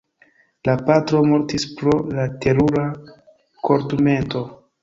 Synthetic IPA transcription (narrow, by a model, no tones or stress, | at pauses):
lapatɾo̞mo̞ɾtispɾo̞late̞ɾuɾa | kʰo̞ɾtume̞nto̞